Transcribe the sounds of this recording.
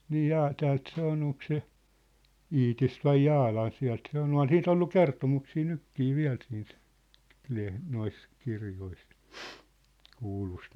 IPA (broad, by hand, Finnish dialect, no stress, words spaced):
niː jɑː tæːlt se on oŋk se iːtist ʋɑi jɑːlɑn̞ siæ̝lt se ŏl on siːt olːu kertomuksiː nykːiː ʋiæ̝l siːnt leh nois kirjois kuːlust